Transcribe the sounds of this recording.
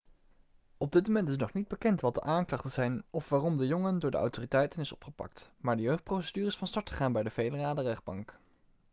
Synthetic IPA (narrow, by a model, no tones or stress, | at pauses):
ɔb̚dɪt̚momɛntɪsnɔχnid̚bəkɛntʋɑt̚də̰ʔaːŋklɑχtənz̥ɛjnɔfʋaːrɔmdəjɔŋəndʊːɹdəɑ̰wtoːritɛjtənɪsɔ̰pχəpɑ̰k̚tmaːɹdəjøɥχt̚prowsədyːrəɪsfɑnstɑɹtχə̥χaːnbɛjdəvejləraːdərɛχd̚bɑŋk